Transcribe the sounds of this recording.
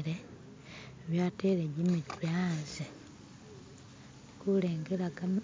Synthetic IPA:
ɾe | βjateɾeɟimitweaze | kuleːŋɡeɾakam

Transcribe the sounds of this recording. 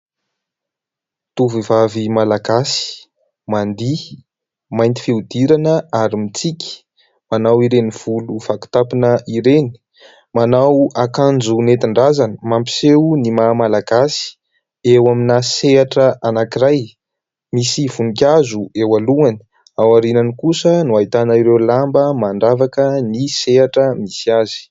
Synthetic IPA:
t̪uvivavimalaɡasi̥ | mand̪i | majnt̪i̥fiud̪iɾanəaɾimit͡sikʲi̥ | manawiɾeniv̥uluv̥aki̥t̪apinəʔiɾeni̥ | manawakand͡zunet̪iɳɖ͡ʐazanəmampi̥sewnimamalaɡasi̥ | ewaminaseaʈ͡ʂəanakiraj | misivunikʲazuewaluani̥ | awaɾinanikusənuait̪anaiɾewlambəmaɳɖ͡ʐavakəniseaʈ͡ʂəmisiazi̥

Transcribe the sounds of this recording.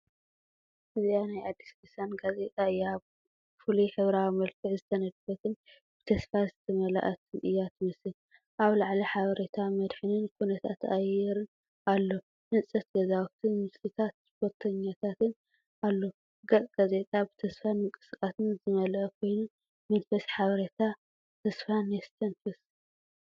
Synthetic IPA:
ʔɨzianajʔad̪ːisdɨsanɡaze̞t̪ʼaɨjːβ | fuliħɨβɾawimɐlkʰɨʕzɨt̪ʰɐnɐd̪fɐt̪ʰɨn | b̥ɨt̪ʰɐsfazɨt̪ʰɐmɐla̰ʔɐt̪ʰɨnʔɨ̰jːat̪mɐsɨn | ʔaβlaʕliħaβɐɾet̪ʰamɐd̪ħɨnɨnkʰunɐt̪ʰa̰t̪ajɛɾɨn | alːo̞ | ʔɨnsʼɐt̪̚ɡɐzawt̪ʰɨnmɨslɨt̪ʰat̪̚spoɾt̪ʰɐɲːat̪ʰat̪ɨn | alːo̞ | ɡɐkʼɡ̥aze̞t̪ʼabɨt̪ʰɐsfanɨŋkʼɨ̥skʼat̪ɨnzɨmɐlʔɐkʰo̞jnu | mɐnfɐsħaβɐɾɐt̪ʰa | t̪ʰɐsfanest̪ʰɐnfɐs

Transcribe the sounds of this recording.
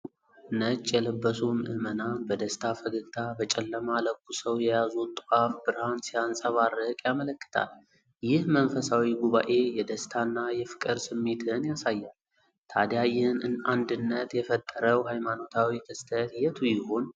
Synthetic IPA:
nət͡ʃʼːjɛləbːəsunʔɨmənabəd̪əst̪ʰafəɡɨɡt̪ʰabət͡ʃʼɛlːəmaləkːusəwjɛjazut̪ʼafbɨɾhansijansʼəβarːəkʼjamələkːɨ̥t̪ʰa̰l | jɪhmənfəsawiɡuβa̰ʔe̞jɛd̪əst̪ʰanːajɛfɨ̥kʼɨɾsɨmːe̞t̪ʰɨnjasajːal | t̪ʰad̪jajɪnɨnand̪ɨnːət̪jɛfət̪ʼːəɾəwhajmano̞t̪ʰawikʰɨst̪ʰət̪jɛt̪ʰujɪho̞n

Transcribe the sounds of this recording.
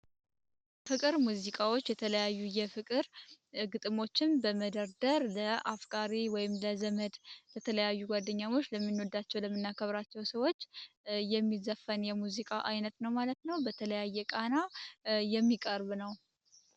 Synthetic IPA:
fɨkʼɨɾmuzikʼawo̞t͡ʃːjɛt̪ʰələjajːujɛfɨkʼɨɾɡɨt̪ʼɨmo̞t͡ʃːɪnbəməd̪əɾd̪əɾləʔafkʼaɾiwɔjɪmləzəməd̪bət̪ʰələjajːuɡʷwad̪ːəɲːamo̞t͡ʃːləmːinːod̪at͡ʃːɛwləmːɨnːakʰəβɾat͡ʃːɛwsəwo̞t͡ʃːjɛmːizəfːənjɛmuzikʼaʔajnət̪nəwmalət̪nəwbət̪ʰələjajːɛkʼanajɛmːikʼəɾβnəw

